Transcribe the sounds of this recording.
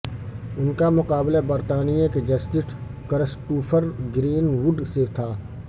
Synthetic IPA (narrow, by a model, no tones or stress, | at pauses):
ʊnkamʊqaːblabəɾt̪aːnijãked͡ʒɐst̪ɪʈʰ | kəɾəsʈuːpʰəɾɡɾiːnwʊɖset̪ʰaː